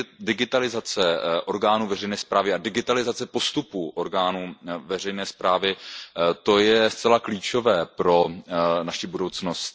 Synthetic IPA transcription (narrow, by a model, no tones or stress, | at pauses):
dɪɡɪt̪alɪzat͡sɛʔo̞ɾɡaːnuːvɛrɛjnɛːspɾaːvɪadɪɡɪt̪alɪzat͡sɛpo̞st̪upuʔoɾɡaːnuːvɛrɛjnɛːspɾaːvɪt̪o̞jɛst͡sɛlakliːt͡ʃo̞vɛːpɾo̞naʃibudo̞wt͡snost̪